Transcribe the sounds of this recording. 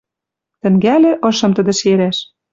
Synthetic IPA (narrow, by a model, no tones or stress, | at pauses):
t̪ɘ̆ŋɡælʲĕʔɤ̆ʃɤ̆mt̪ə̆d̪ɘ̆ʃeɾæʃ